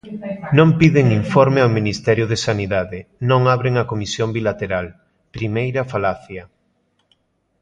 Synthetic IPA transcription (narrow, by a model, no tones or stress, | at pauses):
nõmpiðɪŋiɱfoɾmeawminist̪ɛɾjʊðesaniðaðɪnõŋaβɾeŋɐkomisjombilat̪eɾal | pɾimejɾɐfalaθjɐ